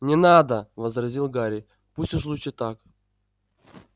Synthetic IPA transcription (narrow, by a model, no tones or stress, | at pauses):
nʲɪnad̪əvəzrɐzʲilˠɡaɾʲɪ | pusʲʊʂ̬lˠut͡ɕɪt̪ak